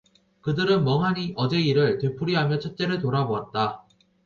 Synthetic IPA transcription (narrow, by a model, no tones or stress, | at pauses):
kɯdɯɾɯnmʌŋɦaɲiʔʌd͡ʑe̞iɾɯɭtwe̞pʰuɾiɦamjʌt͡ɕʰʌt͡ɕ͈e̞ɾɯɭtoɾaboɦat̚t͈a